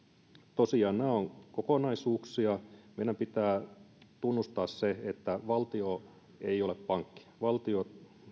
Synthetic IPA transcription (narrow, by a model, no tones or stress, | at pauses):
t̪osiɑːnnæːoŋkokonɑisuːksiɑmeidæmpit̪æːt̪unːust̪ɑːsseet̪ːæʋɑlt̪io | eijoleppɑŋkːi̥ʋɑlt̪io